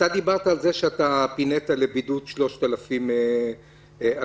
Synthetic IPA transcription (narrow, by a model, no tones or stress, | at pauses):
tad̪ibaʁt̪aːlzeʃeat̪apinet̪alebid̪ut̪ʃlo̞ʃt̪alafime | a